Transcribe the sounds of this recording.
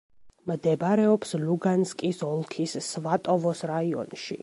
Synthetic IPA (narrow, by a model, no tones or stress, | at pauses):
md̪ɛbɾɛɔpsluɡanskʼisɔlˠkʰisːvat̪ʼɔvɔsɾaiɔ̰nʃḭ